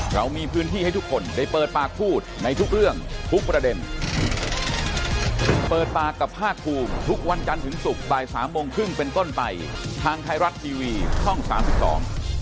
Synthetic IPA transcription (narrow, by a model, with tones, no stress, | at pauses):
ɾa˧wmiː˧pʰɯː˦˥nt̪ʰiː˥˩a˥˩jt̪ʰu˦˥kʰːo˧ndaː˥˩jpɤː˨˩t̪̚paː˨˩k̚pʰuː˥˩t̪̚na˧jt̪ʰu˦˥k̚ɾɯ˥˩əŋt̪ʰu˦˥k̚pɾa˧de˧n | pɤː˨˩t̪̚paː˨˩kːa˨˩pʰːaː˥˩k̚ʰːuː˧mt̪ʰu˦˥k̚wa˧nt͡ɕa˧nt̪ʰɯ˩˦ŋsu˨˩k̚baː˨˩jsaː˩˦mːo˧ŋkʰɾɯ˥˩ŋpe˧nt̪o˥˩npa˧jt̪ʰaː˧ŋt̪ʰa˧jɾa˦˥t̪̚ʰːiː˧wiː˧t͡ɕʰɔ˥˩ŋsaː˩˦msi˨˩p̚sɔ̰ː˩˦ŋ